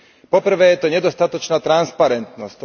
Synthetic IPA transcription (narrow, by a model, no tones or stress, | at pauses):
pɔpr̩ʋɛːjɛt̪ɔɲɛd̪ɔst̪at̪ɔt͡ʃnaːt̪ɾanspaɾɛnt̪nɔsc